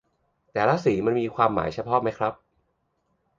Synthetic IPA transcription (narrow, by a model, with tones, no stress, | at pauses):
t̪ɛː˨˩la˦˥siː˩˦ma˧nmiː˧kʰwaː˧mːa̰ː˩˦jt͡ɕʰa˧pʰɔ˦˥ma˦˥jkʰɾa˦˥p̚